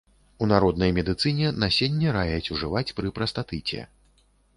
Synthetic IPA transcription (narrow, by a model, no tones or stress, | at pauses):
unaɾɔd̪nɐjmʲɛd̪ɨt̪sɨnʲɛnasʲɛnʲːɛɾajɐt͡sʲuʐɨvat͡sʲpɾɨpɾɐst̪at̪ɨt͡sʲɛ̰